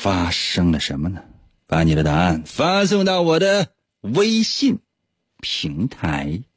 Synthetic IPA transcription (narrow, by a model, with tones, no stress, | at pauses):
fa˥ʂɤ˥ŋlə˨ʂə˧˥nmə˧nə˨ | pa˧˥ni˨˩ɾə˦t̪a˧˥a˥˩nfa˥s̬ʊ˥˧ŋt̪ɑ˥˩ʊwɔ˨˩d̪ə˧ | we˥ɪɕi˥˩n | pʰi˧˥ŋt̪ʰa˧˥ɪ